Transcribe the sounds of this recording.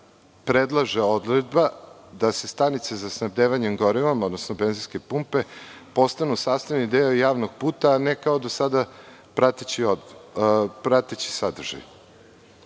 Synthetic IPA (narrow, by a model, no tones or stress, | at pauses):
pɾed̪lˠaʒeo̞d̪ɾed̪ba | d̪ase̞st̪anit̪sezasnabd̪eːʋaɲemɡoɾiʋamod̪nosnobenziske̞pumpe̞ | po̞st̪anusaːst̪aʋnid̪eojaːʋnoɡ̚puːt̪aːnekaod̪osad̪a | pɾat̪et͡ɕio | pɾat̪et͡ɕi̥sad̪r̩ʒ̥a̰j